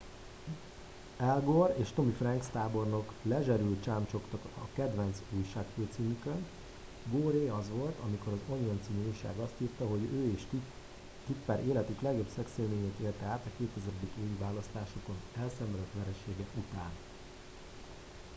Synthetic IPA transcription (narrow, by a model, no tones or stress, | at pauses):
ɛlɡoreːʃt̪o̞mifrɛŋkst̪aːbo̞rno̞klɛʒɛɾylt̪t͡ʃaːmt͡ʃo̞kt̪ɒkɒ̰kɛd̪ʋɛnt̪suːjʃaːkføːt̪siːmykøn | ɡoːɾeːɒzʋo̞lt̪ɒmiko̞ɾɒzo̞ɲont̪siːmiuːjʃa̰ːɡɒst̪hirt̪ɒɦo̞ɟøːeːʃ | t̪it̪pɛɾʔeːlɛt̪yklɛɡjo̞bsɛkseːlmeːɲeːt̪eːlt̪ɛaːt̪ɒkeːt̪ɛzɛɾɛd̪ikeːvivaːlɒst̪aːʃoko̞nɛlsɛmɛløt̪ʋɛɾɛʃeːɡɛkut̪aːn